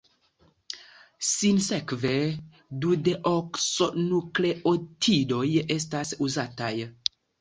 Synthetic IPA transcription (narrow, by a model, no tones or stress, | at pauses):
sinsekve | dudeʔoksonukleʔotʰidojes̬tasuzataj